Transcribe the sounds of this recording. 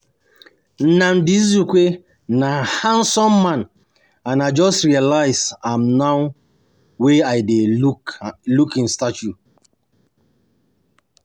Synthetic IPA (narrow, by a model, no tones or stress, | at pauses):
nãndis̬jukwe | nahãnsɔ̃mːãn | ãnaɪd͡ʒɔstɹialaɪzãmnaw | weaɪdeuklukĩnstat͡ʃu